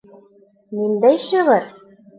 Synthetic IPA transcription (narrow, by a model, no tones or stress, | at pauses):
nind̪æjʃɤ̆ʁɤɾ